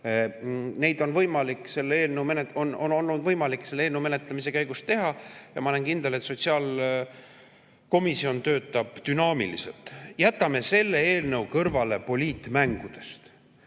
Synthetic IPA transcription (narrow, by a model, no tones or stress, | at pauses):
ne̞jd̪̥o̞nvɤjmɑlikːˑse̞lːeeːlnəwmeneono̞no̞lnud̪vɤjmɑlikse̞lːeeːlnəwme̞net̪lemis̬e̞kæjɡ̥ust̪e̞ɦɑjɑmɑɑle̞nkind̪̥e̞let̪so̞t̪siɑːl | ko̞misio̞nt̪ø̞ːt̪ːˑɑb̥t̪ynɑːmḭlḭse̞̰lt̪ˑjæt̪ːˑɑme̞se̞lːe̞eːlnɤwkɤrvɑle̞po̞lʲiːt̪ːˑmæŋɡ̥ud̪̥e̞̥st̪